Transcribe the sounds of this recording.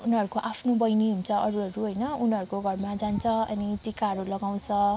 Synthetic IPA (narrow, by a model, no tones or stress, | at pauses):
unʌɾukoʔapʰnobʌjniɦunt͡sʰʌʔʌɾuɦʌɾuɦʌjnʌunɦʌɾukoɡʱʌrmad͡zant͡sʰʌʌ̰nitikaɦʌɾulʌɡaw̃t͡sʰʌ